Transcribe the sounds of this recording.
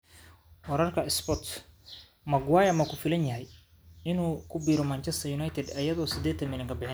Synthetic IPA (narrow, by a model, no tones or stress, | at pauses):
wɐɾɐrkʰɐɪspɔt̪ | mɐɡwajɐmɐkʰʊfɪlɐnjɐɦɛj | ɪnuːkʰʊbiːɾɔmɐnt͡ʃɛst̪ʰɐjʊnɐjt̪ʰɛd̪ɐjɐðɔːsɪd̪ɛːt̪ʰɐnmɪlɪŋkʰɐbɪħɪn